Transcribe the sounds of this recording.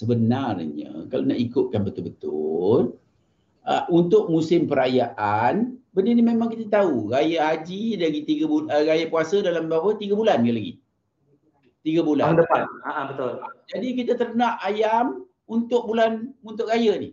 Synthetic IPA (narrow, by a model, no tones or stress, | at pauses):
səbənarɲə̰kalonaʔikʊt̪̚kanbət̪ʊlbət̪ʊl | əunt̪ʊʔ̚musɪmpəɾajaʔanbəninimemãŋkit̪at̪auɾajaɦad͡ʒidaɡit̪iɡabuəɾajapuasədalambapət̪iɡabulankanlaɡḭ | t̪iɡabuladəanaʔãbət̪ʊld͡ʒadikit̪at̪ərnaʔajam | unt̪ʊʔ̚bulanunt̪ʊʔrajanɪh